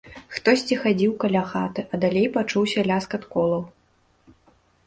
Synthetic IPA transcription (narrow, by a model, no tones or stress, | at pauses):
xt̪ɔsʲt͡sʲixad͡zʲiwkɐlʲaxat̪ɨʔɐd̪alʲejpat͡ʂuwsʲɐlʲaskɐt̪kɔlˠɐw